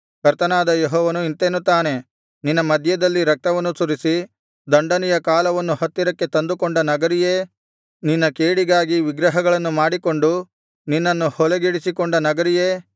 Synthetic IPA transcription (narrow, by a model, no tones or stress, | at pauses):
kɐɾt̪ɐnaːd̪ɐjeɦɔːʋɐnuint̪enut̪ːaːne̞ | ninːɐmɐd̪ʱjɐd̪ɐlːiɾɐk̚t̪ɐʋɐnːusuɾisi | d̪ɐɳɖɐnijɐkaːlɐʋɐnːuhɐt̪ːiɾɐkːe̞t̪ɐnd̪ukoɳɖɐnɐɡɐɾijeː | ninːɐkeːɽiɡaːɡiʋiɡɾɐɦɐɡɐɭɐnːumaːɽiko̞ɳɖu | ninːɐnːuhɔleɡiɽisikoɳɖɐnɐɡɐɾijeː